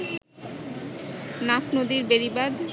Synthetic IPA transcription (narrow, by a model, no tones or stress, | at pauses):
nafnod̪iɾbeɾibad̪